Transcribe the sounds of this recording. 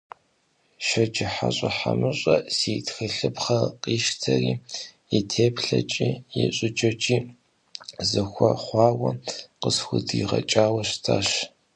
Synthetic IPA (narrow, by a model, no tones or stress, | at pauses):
ʃɐd͡ʒɪħaɕʼɐħamɨɕʼɐseːtxɨɬɨpχɐqiːʃtʰɐriː | itʰeːpʰɬɐt͡ʃʼiːjɪɕʷʼɪt͡ʃʼɐt͡ʃʼiː | zɨxʷɔχʷɑːwɐqəsxʷʊdːʁɐt͡ʃʼaːwɐɕtʰaːɕ